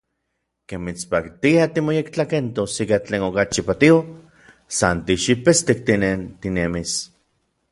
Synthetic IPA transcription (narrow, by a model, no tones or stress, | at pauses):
kemːit͡spakt̪iat̪imojekt͡ɬakent̪osikat͡ɬeːnokat͡ʃipat̪io | sant̪iʃipest̪ek̚t̪inent̪inemis